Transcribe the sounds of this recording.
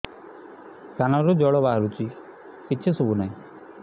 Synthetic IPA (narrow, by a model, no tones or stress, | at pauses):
kanɔɾud͡ʒɔɭɔbaːɾut͡ʃi | pitːt͡ʃʰisubunaĩ